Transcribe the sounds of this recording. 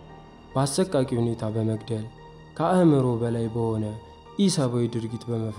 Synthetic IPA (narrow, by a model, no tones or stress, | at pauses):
b̥əasːəkʼːakʼihune̞t̪ʰabəməɡd̪əl | kʰəʔəhmɨɾobəlajbəho̞nə | ʔisaβawid̪ɨɾɡit̪bəməf